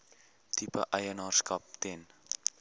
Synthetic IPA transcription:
tipə̰ʔəjənɑːrskɐp̚tɛn

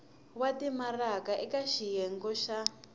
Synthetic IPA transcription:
watimarakaʔɛkaʃijɛŋɡɔʃa

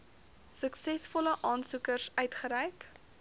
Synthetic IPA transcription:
səksɛsfɔləʔɑːnsukərsœɥtχəɾɛjk

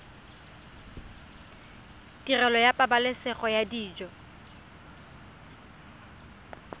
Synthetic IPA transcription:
tirɛlɔjapʼabalɪsɛχɔjadiːd͡ʒɔ

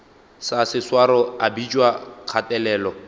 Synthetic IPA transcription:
sasɪswaɾɔabit͡ʃʼwakʰatʼɛlɛːlɔ

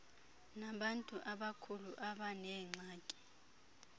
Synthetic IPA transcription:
naɓantʼuʔaɓakʰuluʔaɓanɛːŋ͡ǀaːkʼi̥

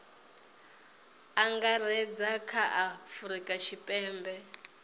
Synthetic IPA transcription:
aŋɡaɾɛd͡zakʰaʔafuɾikʼaʃʰipʼɛːmbɛ

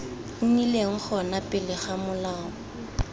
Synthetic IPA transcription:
ŋileŋ̩k͡xʰɔnapʼɪlɪχamʊlaːɔ

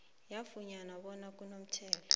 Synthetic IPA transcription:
jafuɲanaɓɔnak̬ʼunom̩t͡ʃʰɛːlɔ

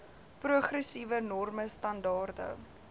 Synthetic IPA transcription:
pruəχrəsivənɔrməstɐndɑːrdə̰

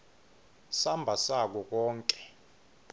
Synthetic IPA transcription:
sambʱasak̬ɔk̬ɔːŋkʼɛ̥

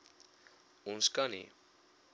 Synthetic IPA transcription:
unskanḭ

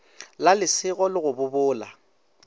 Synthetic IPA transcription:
lalɪsɪɣɔlɪɣʊbʊbʊːla

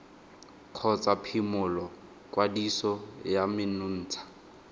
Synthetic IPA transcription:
kʰɔt͡sʼapʰimʊlɔ | kwadisɔjamɪnʊn̩ːt͡sʰḁ

